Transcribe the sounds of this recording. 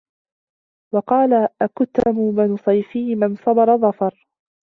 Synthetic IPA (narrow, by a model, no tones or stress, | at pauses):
wɑqɑːlaʔakʊt̪ːamubanʊsˤɑjfiːmansˤɑbɑɾˤɑðˤɑfɑɾˤ